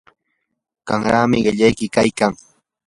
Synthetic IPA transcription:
ɢ̥aŋɾaːmɪɢɪʎajkɪkajkaŋ

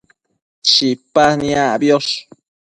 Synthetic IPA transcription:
ʃipanĩãbjos

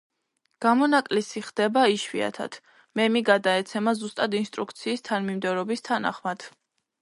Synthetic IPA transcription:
ɡ̥amɔnakʼlisiχd̪̥ɛbaiʃwia̰t̪ʰa̰t̪ʰ | mɛmiɡad̪aɛt̪sʰɛmazust̪ʼad̪inst̪ʼɾukʰt̪sʰiːst̪ʰanmimd̪ɛvɾɔbist̪ʰana̰χmad̪̥

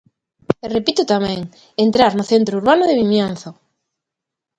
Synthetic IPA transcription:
repit̪ʊt̪amɛ̃ŋ | ent̪ɾaɾnʊθent̪ɾouɾβanʊðeβimjan̟θo

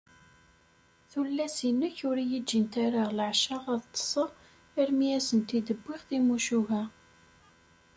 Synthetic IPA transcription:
θulːæsinːəçʊɾijəd͡ʒːint̪æɾaʁlʕʃaʁɑðt̪ˤːə̥sˤəʁ | əɾmiæsənt̪id̪əbʷːɪʁθimuʃuʝæ

